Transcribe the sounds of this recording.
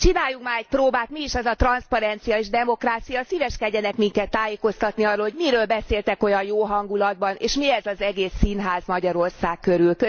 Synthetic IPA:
t͡ʃinaːjːukmaːɾɛc̚proːbaːt̪miːʃɛzɒt̪rɒnspɒɾɛnt̪sijɒeːʒd̪ɛmo̞kraːt̪sijɒsiːvɛʃkɛɟːɛnɛkmiŋkɛt̪ːaːjeːko̞st̪ɒt̪niɒrːoːlho̞ɟmiɾøːlbɛseːlt̪ɛko̞jɒjjoːɦɒŋɡulɒd̪bɒnḛːʃmiɛzɒzɛɡeːsːinɦaːzmɒɟɒɾo̞rsaːkkːø̞ɾylkø

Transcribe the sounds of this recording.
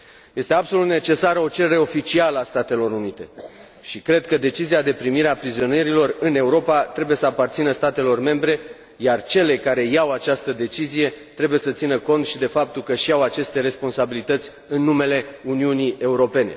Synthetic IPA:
je̞st̪e̞abso̞lut̪ne̞t͡ʃe̞saɾəo̞t͡ʃe̞ɾeɾe̞o̞fit͡ʃialəast̪at̪e̞lo̞ɾunit̪e̞ | ʃikɾe̞d̪kəd̪e̞t͡ʃiziad̪e̞pɾimiɾeapɾizio̞neɾilo̞rɨne̞uɾo̞pat̪ɾe̞buje̞səapart̪sinəst̪at̪e̞lo̞rme̞mbɾe̞ | jart͡ʃe̞le̞kaɾe̞jawat͡ʃast̪əd̪e̞t͡ʃizije̞t̪ɾe̞buje̞sət̪sinəko̞nt̪ʃid̪e̞fap̚t̪ulkəʃiawat͡ʃe̞st̪e̞ɾe̞spo̞nsabilit̪ət̪sʲ | ɨnːume̞le̞uniunie̞uɾo̞pe̞ne̞̰

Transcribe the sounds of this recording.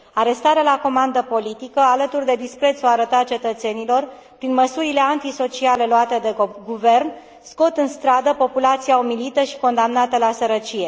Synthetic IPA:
aɾe̞st̪aɾealako̞mand̪əpo̞lit̪ikəalət̪urd̪e̞d̪ispɾe̞t̪soaɾət̪at͡ʃe̞t̪ət̪se̞nilo̞r | pɾinməsuɾile̞ant̪iso̞t͡ʃiale̞loat̪e̞d̪eɡuve̞rn | sko̞t̪ɨnst̪ɾad̪əpo̞pulat̪sijaomilit̪əʃi̥ko̞nd̪amnat̪əlasəɾət͡ʃije̞

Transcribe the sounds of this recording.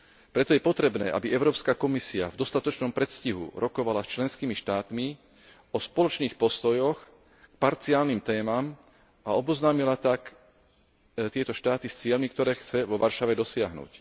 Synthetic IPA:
pɾɛt̪ɔjɛpɔt̪ɾɛbnɛ̰ːʔa̰biʔɛʊɾɔːpskakɔmisia̰vd̪ɔst̪at̪ɔt͡ʃnɔmpɾɛt̪sciɦṵɾʔɔkɔʋalast͡ʃlɛnskiːmiʃt̪aːt̪mi | ɔspɔlɔt͡ʃniːxpɔst̪ɔjɔx | kpaɾt͡siaːlnimt̪ɛːmam | aɔbɔznaːmilat̪ak | t̪ɪɛt̪ɔʃt̪aːt̪ist͡sɪɛlmikt̪ɔɾɛːxt͡sɛʋɔʋaɾʃaʋɛd̪ɔsɪaɦnṵc

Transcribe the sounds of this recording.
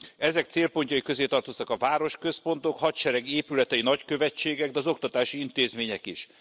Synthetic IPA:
ɛzɛkt̪seːlpo̞ɲcɒikø̞zeːt̪ɒrt̪o̞st̪ɒkɒvaːɾo̞ʃkø̞spo̞nt̪o̞khɒt̪ʃɛɾɛɡeːpylɛt̪ɛinɒckø̞vɛt͡ʃːeːɡɛɡd̪ɛɒzo̞kt̪ɒt̪aːʃiint̪eːzmeːɲɛkiʃ

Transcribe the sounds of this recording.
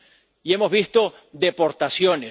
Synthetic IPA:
iemo̞zβist̪o̞ | d̪epo̞ɾt̪asjone

